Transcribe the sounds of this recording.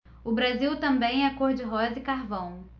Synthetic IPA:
ʊbɾaziwt̪ɐ̃mbẽj̃ɛkoɾd͡ʒɪɦɔzɪkaɾvɐ̃w̃

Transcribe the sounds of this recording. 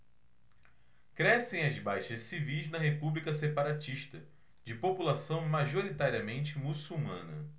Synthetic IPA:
kɾɛsẽj̃ɐzbajʃɐssivijznɐɦepublikɐsepaɾat͡ʃiʃt̪ɐ | d͡ʒɪpopulasɐ̃w̃maʒoɾit̪aɾiɐmẽnt͡ʃɪmusuwmɐ̰̃nɐ

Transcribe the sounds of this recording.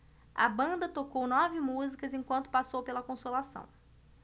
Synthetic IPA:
ɐ̰bɐ̃nd̪ɐt̪okownɔvɪmuzikɐzẽkwɐ̃nt̪ʊ̥pasowpelɐkõsolasɐ̰̃w̃

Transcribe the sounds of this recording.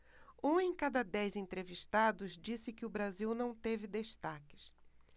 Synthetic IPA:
ũẽj̃kad̪ɐd̪ɛjzẽnt̪ɾeviʃt̪ad̪ʊzd͡ʒisɪkɪʊbɾaziwnɐ̃w̃t̪evɪd̪eʃt̪akɪ̥s

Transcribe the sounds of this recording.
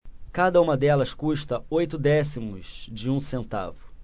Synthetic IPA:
kad̪ɐũmɐd̪ɛlɐskũʃt̪ɐojt̪ʊd̪ɛsimʊz̥d͡ʒɪũsẽnt̪a̰vʊ

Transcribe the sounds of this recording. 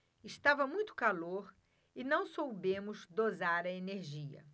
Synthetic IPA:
ɪst̪avɐmũj̃t̪ʊ̥kaloɾ | ɪnɐ̃w̃sowbẽmʊzd̪ozaɾɐeneɾʒiɐ̰

